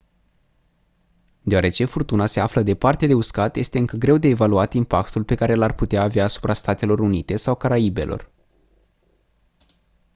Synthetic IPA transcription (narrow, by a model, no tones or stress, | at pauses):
d̪eoaɾe̞t͡ʃe̞furt̪unase̞afləd̪e̞part̪ed̪e̞uskat̪je̞st̪eɨŋkəɡɾe̞wd̪e̞ːvaluat̪impakt̪ulpe̞kaɾe̞larput̪eaːveaːsu̥pɾast̪at̪e̞lo̞ɾunit̪e̞sawkaɾaibe̞̰lʔo̞̰r